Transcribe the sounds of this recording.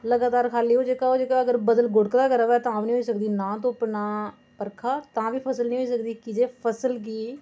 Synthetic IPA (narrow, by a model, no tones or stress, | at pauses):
ləɡaːt̪aːɾkʰaːliːɦoːd͡ʒeːkaoːd͡ʒekaːəɡəɾbəd̪əlɡʊɽəkd̪aːkəɾəʋɛːt̪ãaːʋnĩːɦoːiːsəkd̪iːnãːt̪̬õːəpnaː | pəɾkʰaːt̪ãːʋiːpʰəsəlnĩːɦoːiːs̬əkd̪iːkɪd͡ʒeːpʰəsəlk̬iː